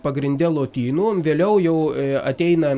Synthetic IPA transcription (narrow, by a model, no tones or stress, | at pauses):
pɐɡɾʲɪnʲd̪ʲɛlˠoːt̪ʲiːnoːʋʲeːlʲɛʊjɛʊɐ̰t̪ʲɛɪnɐ